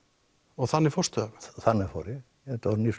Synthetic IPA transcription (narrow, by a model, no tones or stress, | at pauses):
ɔɣθanːɪfɔrst̪œvθanːɪfo̰ɾɪ | ɛt̪aɾnis